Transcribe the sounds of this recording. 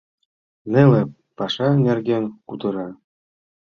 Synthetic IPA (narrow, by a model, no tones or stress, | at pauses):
nʲĕlʲɘ̆ | pɑʂɑnʲĕrɡʲenkud̪ɤ̆ɾɑ